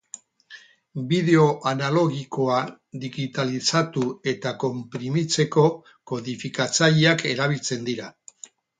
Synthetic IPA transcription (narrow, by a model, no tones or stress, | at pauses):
biðe̞o̞ʔanalo̞ɣiko̞a | ðiɣit̪alisat̪ue̞t̪ako̞mpɾimit͡se̞ko̞ | ko̞ðifikat͡saʎiake̞ɾaβilt͡se̞nd̪iɾa